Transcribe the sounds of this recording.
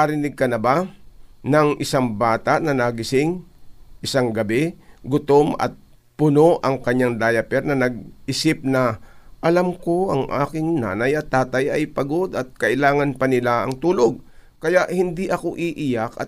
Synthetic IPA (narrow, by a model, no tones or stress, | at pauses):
ɐɾɪnɪɡ̚kɐnɐba | nɐŋʔɪsaŋbaːt̪aʔnɐnaɡɪsɪŋʔɪsaŋɡɐbɛɡʊt̪omɐ̰t̪̚ | pʊno̞ʔɐŋkɐɲaŋd̪aːjɐpɛɾnɐnɐɡ̚ʔɪsɪp̚nɐʔɐlamko̞ʔɐŋʔa̰ːkɪŋna̰ːnɐjɐt̪ːaːt̪ajʔɐjpɐɡo̞d̪ɐt̪̚kɐʔɪlaːŋɐnpɐnɪlaɐŋt̪uːlo̞ɡ̚kɐjaʔhɪnd̪iʔɐko̞ʔiʔɪjakɐ̰t̪̚